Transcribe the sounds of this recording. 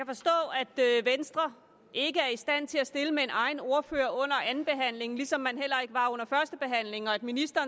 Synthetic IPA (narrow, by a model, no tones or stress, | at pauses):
kʰæfɒ̽sd̥ɔ̰̽ːæd̥øʋensd̥ʁɐ | e̝ɡ̥əæɐisd̥æn̰t͡sʰe̝læsd̥e̝ləmee̝nʔɑ̈ɪn̩o̝ɐføːɐʔɔ̽n̰ɐʔænn̩b̥e̝ɦæn̰le̝ŋlisɒ̽mːænɦel̰ɐe̝ɡ̥əʋɑ̈ɔ̽n̰ɐfɶɐsd̥əb̥e̝ɦæn̰le̝ŋɒ̽æd̥minisd̥ɐː